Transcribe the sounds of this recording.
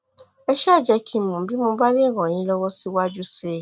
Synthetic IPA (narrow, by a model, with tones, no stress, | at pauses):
ɛ˧ʃa˦˨d͡ʒɛ˧kʰĩ˧˨mũ˨bi˦mo˧ba˦le˦˨ɾ̃ã˨ĩ˨˦lɔ˦wɔ˦si˧wa˦d͡ʒu˦se˧˦